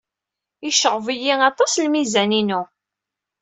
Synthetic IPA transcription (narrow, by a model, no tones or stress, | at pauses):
ɪʃəʁəvijiɑt̪ˤɑslmizæninu